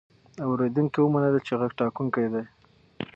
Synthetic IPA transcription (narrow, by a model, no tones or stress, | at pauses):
awɾed̪uŋkiwəmanəlat͡ʃeɣaɡ̚ʈɑkuŋkajd̪aj